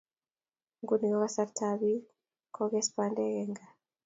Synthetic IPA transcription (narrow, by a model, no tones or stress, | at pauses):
ŋɡuniɣɔɣasaɾtʰabi | kʰɔɡɛspandɛɣɛŋɡa